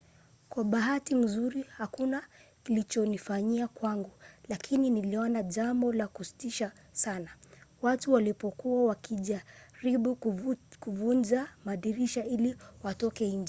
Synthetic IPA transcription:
kwaɓaɦatim̩zuɾihakunakilit͡ʃɔnifaɲiakwaŋɡulakʰininiliɔnaʄambɔlakusi̥tiʃa | sanawatuwalipɔkuawakʰiʄaɾiɓukuvund͡ʒamaɗiɾiʃailiwatɔkɛiɲd͡ʒ

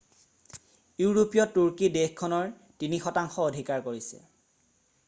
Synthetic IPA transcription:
juɹopijɔtːuɹkidexkʰɔnɔɹ | tinixɔtaŋxɔodʱikaɹkoɹisɛ̰

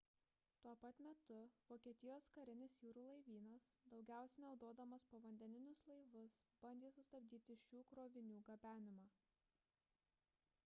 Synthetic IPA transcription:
t̪uɔpɐt̪mʲɛt̪ʊʋoːkʲiɛt̪ʲɪjoːskɐɾʲɪnʲɪsjuːɾuːlˠɐɪʋʲiːnɐsd̪ɒʊɡʲæˑʊsʲɛnʲɐʊd̪oɔd̪ɐmɐspoːʋɐnʲd̪ʲɛnʲɪnʲʊslˠɐɪʋʊsb̥ɐnʲd̪ʲeːsʊst̪ɐbʲd̪ʲiːt̪ʲɪʃʲuːkɾoːʋʲɪnʲuːɡɐbʲæːnʲɪmɑː

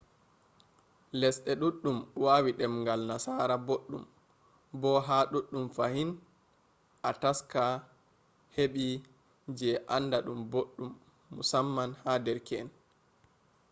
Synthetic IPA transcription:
lɛsɗɛɗuɗːumwaːwiɗɛmŋɡalnasaːɾaboɗːṵm | bɔɦaɗuɗːumfahin | ʔataska | heɓi | d͡ʒɛʔandaɗumboɗːumː | ṵsamːanhadɛɾkɛn

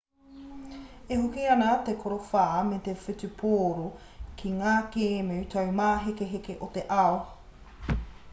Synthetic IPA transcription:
ehokiɐnat̪ekʰoɾofaːmet̪efit͡supʰoːɾo | kʰiŋaːkeːmiʉt̪ʰɐwmaːɦekeɦekeʔot̪eʔao

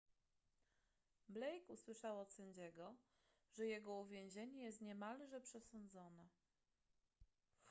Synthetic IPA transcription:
blɛjkuswɘʂawɔt̪sɛɲd͡ʑɛɡɔ | ʐɛjɛɡɔuvʲjɛ̃w̃ʑeɲɛjɛst̪ɲɛmalʐɛpʂɛsɔnd̪zɔnɛ

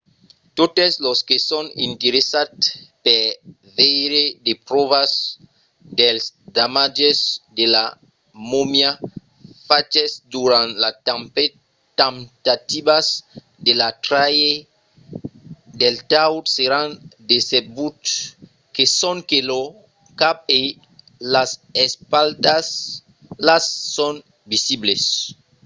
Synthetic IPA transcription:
t̪ot̪esloskesonḭ̃nt̪eɾesat̪pe | vejɾed̪epɾoβas | d̪elsd̪amad͡ʒezd̪ela | momja | fat͡ʃezd̪uɾãnlatampe | t̪ãmt̪at̪ibas | d̪elat̪ɾaje | d̪elt̪awtseɾand̪esebut̪ | kesoŋkelo | kap̚e | lasespald̪as | lasːon | bisibles

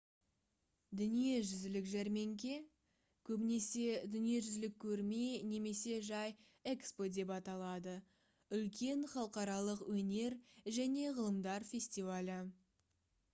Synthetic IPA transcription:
d̪ʏnije̞ʒʏzɪlɪkʒæɾme̞ŋkʲe̞ | kʲʰɵbɪne̞se̞d̪ʏnije̞ʒʏzɪlɪkʲʰːɵɾme̞ne̞me̞se̞ʒɑj | ekspo̞d̪e̞pɑt̪ɑlˠɑd̪ə | ʏlkʲe̞ɴχɑlˠəqɑɾɑlˠəqwɵne̞ɾʒæne̞ʁəlˠəmd̪ɑɾfʲe̞sʲt̪ivalʲɪ

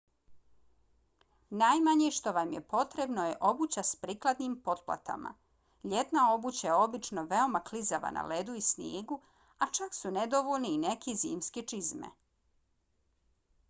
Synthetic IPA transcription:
najmaɲeʃt̪o̞ʋamjepo̞t̪ɾe̞bno̞je̞ʔo̞but͡ɕaspɾiːklˠad̪nimpo̞t̪̚pla̰t̪a̰ma̰ | ʎet̪nao̞but͡ɕajeo̞bit͡ʃno̞ʋeo̞maklizaʋa̰na̰led̪uisnjeːɡu | at͡ʃaksuned̪oʋolniːnekʰizḭːmsket͡ʃizmḛ

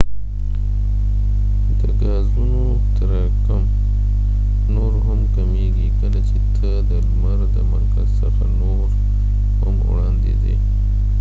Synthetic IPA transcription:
d̪əɡɑzuno | t̪aɾa | kam | noɾɦamkameɡikənat͡ʃet̪ʰəd̪əɾmaɾd̪əma̰ɾkazsaxano | ɾ | ha̰mwɽand̪ḛd̪ḛ

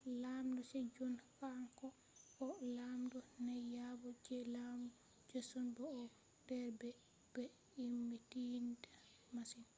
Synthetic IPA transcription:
lamdɔsɛd͡ʒonkaŋkɔ | kɔlamdɔnɛjabɔd͡ʒɛlamdɔ | d͡ʒosɔnbɔɔ | d̥ɛɾbɛ | b̥ɛ | imːitinda | masin

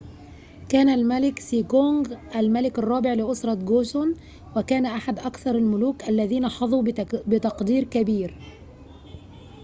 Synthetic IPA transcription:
kæːnalmalɪksiːɡoŋɡʔalmalɪkɑrˤːɑːbɪʕlɪʔʊsɾˤɑt̪ɡoːsʊn | wɪkæːnaʔaħad̪ʔakθɑɾˤalmʊluːkʔalːæðiːnaħɑðˤuːbɪt̪ɑqd̪iːɾkabiːɾ

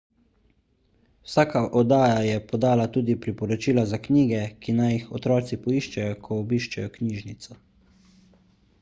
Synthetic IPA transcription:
wsaːkaʔɔd̪aːjajɛpɔd̪aːlat̪uːd̪ipɾipɔɾɔt͡ʃiːlazakniːɡɛkinajixɔt̪ɾɔːt̪sipɔiːʃt͡ʃɛjɔkʰɔːbiːʃt͡ʃɛjɔkniːʒnit̪sɔ

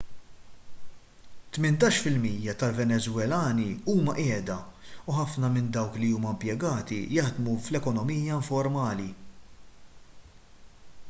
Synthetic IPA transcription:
t̪mɪnt̪ɐːʃfɪlmijːɐt̪ɐlvɛnɛzwɛlɐːniuːmɐʔɛːd̪ɐuħɐfnɐmɪnd̪ɐwkliuːmɐmpjɛɡɐːt̪ḭjɐħd̪muflɛkɔnɔmiːjːɐɪɱfɔɾmɐːli

